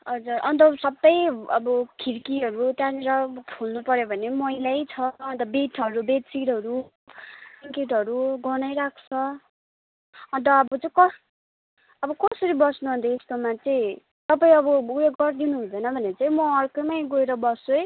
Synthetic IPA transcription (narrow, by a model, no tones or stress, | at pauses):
ʌd͡zuɾʌ̰nt̪ʌsʌbːʌjʌbʌkʰiɾkiɦʌɾut̪janiɾʌpʰulnupʌɾjobʱʌnemʌjlajt͡sʰʌʌnt̪ʌbeʈʰʌɾubet̪siɽɦʌɾu | siŋkeʈɦʌɾuɡʌnʌjɾakʰt͡sʰʌ | ʌnt̪̬ʌːbʌt͡saĩkʌs | ʌbʌkʌsʌɾibʌsnuɦũnt̪ʌest̪omat͡sʌĩ | t̪ʌpaĩʌbʌujekɡʌrd̪inuɦund̪ʌjnʌbʱʌneʌt͡saĩmʌːrkomajɡoeɾʌbʌsoj